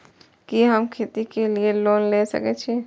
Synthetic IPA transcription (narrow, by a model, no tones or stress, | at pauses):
kiɦəmkʰeːt̪ikelieloːnlesə̰kɛt͡ʃʰɛ